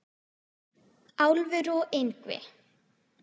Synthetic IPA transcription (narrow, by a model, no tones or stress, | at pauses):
awlvɪɾɔʔejŋkvɪ̰